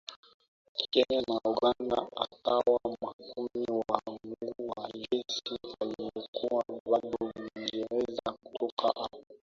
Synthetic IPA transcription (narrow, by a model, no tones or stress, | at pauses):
kɛɲanauɡanda̰a̰kawamakumiwaŋɡuwajɛsialijɔkuwaɓaɗɔiŋɡɛɾɛzaku̥tʰɔkʰa̰ʔaa